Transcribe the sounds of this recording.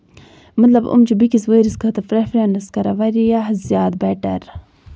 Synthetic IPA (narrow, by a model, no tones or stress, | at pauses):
mɐt̪lɐbṵmt͡ʃibikisweɾiskʰɐt̪ɐfɾefɾenɐskɐɾɐʋɐɾijahzjaːd̪̚beʈɐ̰ɾ